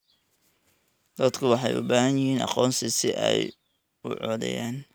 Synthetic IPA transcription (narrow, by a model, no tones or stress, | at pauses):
d̪ɐd̪kʰʊwɑħɑjʊ̰baːɦɐnjɪhiːnɑ̰qɔːnsɪsɪʔɛ̰j | ʊ̰ʕɔːðɛ̰jaːn